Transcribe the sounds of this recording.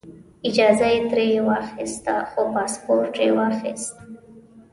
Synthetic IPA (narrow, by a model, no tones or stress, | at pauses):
ɪd͡ʒɑzajet̪ɾejewaɾxɪst̪a̰xopɑspoɾʈewaɾxɪst̪